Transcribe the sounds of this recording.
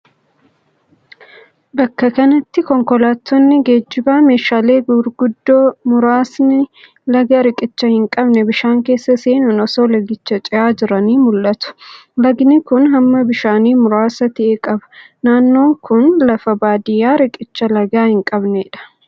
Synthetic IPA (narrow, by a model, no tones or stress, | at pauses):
bɐkːɐkɐnɐt̪ːɪkɔŋkɔlaːt̪ʰːɔnːɪɡeːd͡ʒːɪbaːme̞ːʃaːle̞ːɡʊɾɡʊd̪ːoːmʊɾaːsnɪ | lɐɡɐɾɪkʼɪt͡ʃːɐhɪŋkʼɐbnɛbɪʃaːŋke̞ːsːɐseːnʊnɔsoːlɐɡɪt͡ʃːɐt͡ʃʼɪjaːd͡ʒɪɾɐniːmʊlʔɐt̪ʊ̥lɐɡnɪkʊnɦɐmːɐbɪʃaːniːmʊɾaːsɐt̪ɪʔekʼɐbɐ̥ | naːnːo̞ːŋkʊnlɐfɐbaːd̪ɪjaːɾɪkʼɪt͡ʃːɐlɐɡaːhɪŋkʼɐbneːᶑɐ̥